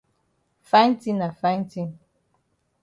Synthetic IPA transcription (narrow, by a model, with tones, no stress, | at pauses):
fa˦tĩ˦na˨fã˦ti˦